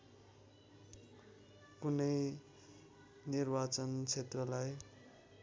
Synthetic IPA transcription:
kunʌj | nirbat͡sʌnt͡sʰet̪rʌlaj

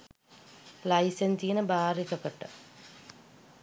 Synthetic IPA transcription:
lɐjsɐnsijinɨbaːrikːɐpːeʈːɨ

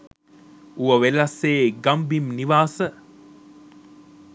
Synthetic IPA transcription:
uʋəʋelaseːɡambimniʋaːsə

